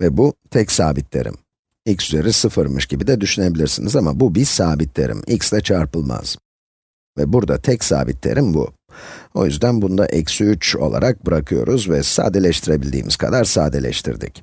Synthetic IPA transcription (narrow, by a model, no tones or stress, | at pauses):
vɛbut̪ʰɛcsaːbit̪lʲe̞ɾḭm | ilʲcsyze̞ɾisɯfɯɾmɯʃɟibid̪ɛd̪yʃyne̞bilʲiɾsinizamabubi̥saːbit̪ʰlʲe̞ɾḭmicsd̪ɛt͡ʃʰaɾpɯlˠma̰z̥ | vɛbuɾd̪at̪ʰɛcsa̰ːbit̪ʰlʲe̞̰ɾʔimbṵ | o̞̰jyzd̪ænbund̪a̰ʔɛcsyyt͡ʃo̞̰lˠa̰ɾak̚bɯɾakʰɯjo̞̰ɾuzvɛsa̰ːd̪elʲɛʃt̪ʰiɾe̞bilʲd̪ḭːmʔiz̥kʰad̪aɾsaːd̪elʲɛ̰ʃt̪ʰḭɾd̪ḭc